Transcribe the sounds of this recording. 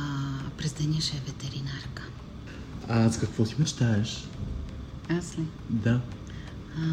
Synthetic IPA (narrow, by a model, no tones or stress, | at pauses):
pɾɛzd̪ɐnʲiʃɛvɛt̪ɛɾinaɾkə̥ | askɐkvɔt̪imɛt͡ʃt̪aɛʃ | aslʲɛ | d̪a